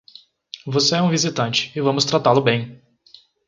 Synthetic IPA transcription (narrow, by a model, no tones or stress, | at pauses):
voseɛũvizit̪ɐ̃nt͡ʃɪ̥ɪvɐ̃mʊst̪ɾat̪alʊbẽj̃